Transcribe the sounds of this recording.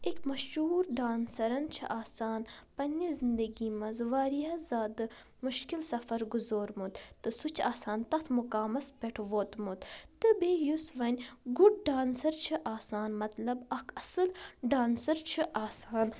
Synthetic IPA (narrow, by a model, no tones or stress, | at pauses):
ekmɐʃuːɾɖaːnsɐɾɐnt͡ʃʰḭʔaːsaːnpɐnʲizind̪ɐɡiːmɐzʋaːɾijaːzaːd̪ɨ | muʃkilsɐfɐɾɡuzoːɾmut̪t̪ɨsut͡ʃʰaːsaːnt̪ɐxt̪ʰmukaːmɐspʲeʈʰʋoːt̪mut̪t̪ɨbeːjusʋɐnʲɡuɖ̚ɖaːnsɐɾt͡ʃʰiʔaːsaːnmɐt̪lɐbɐkʰɐsɨlɖaːnsɐɾt͡ʃʰiʔaːsaːn